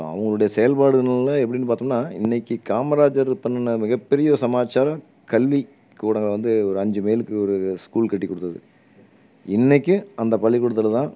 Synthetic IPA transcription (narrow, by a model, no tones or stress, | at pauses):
ɐ̰ʋɐŋɡɐɭɯɽɐjɐsɛjɐlpaːɽɯɣɐnɐlɐɛpːɐɽɪnːɯpaːɾt̪ɯŋnːaːɪnːɛkːɯkaːmɐɾaːd͡ʒɐɾpːɐnːɐnːɐmɪɣɐpːɛɾɪjɐsɐmaːt͡ʃːaːɾɐ̃ | kɐlʋi | kuːɽɐŋɡɐɐʋɐnd̪ɯɔɾɯɐɲd͡ʒɯmeːlɯkːɯɔɾɯskuːlkɐʈːikːɔɽɯt̪ːɐðɯ̰ | ɪnːɛkʲːɯɐnd̪ɐpɐlːɪkːɔɽɯt̪ːɐlɐt̪ãː